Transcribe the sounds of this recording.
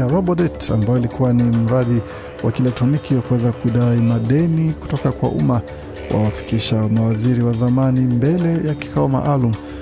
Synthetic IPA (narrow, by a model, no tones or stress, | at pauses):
aɾɔbɔdɛta̰mbajɔilikuwanim̩ɾaɗi | wakilɛk̚tɔnikikuwɛzakuiɗaimaɗɛniku̥tɔkakwa̰ʔṵma | wʔa̰wafi̥kiʃamawaziɾiwazamanimbɛlɛjaki̥kaɔma̰ʔalum̩